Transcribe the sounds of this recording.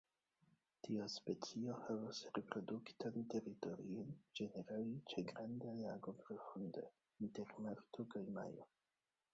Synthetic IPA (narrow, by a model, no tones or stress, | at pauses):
tiospe̞t͡sio̞havasɾepɾo̞duktante̞ɾito̞ɾḭond͡ʒe̞neɾalit͡ʃeɡɾandajaɡo̞pɾo̞fundḛ | inte̞ɾmaɾtokajma̰jo̰